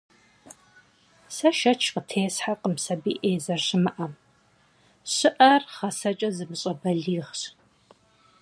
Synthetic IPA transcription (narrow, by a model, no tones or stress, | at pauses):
sɐʃɐt͡ʃʰqətʰeːsħaqəmsɐbiːʔeːzɐrɕɪmɨʔɐm | ɕɨʔɐrχɐsɐt͡ʃʼɐzɨmɨɕʼɐbɐɮiːʁɕ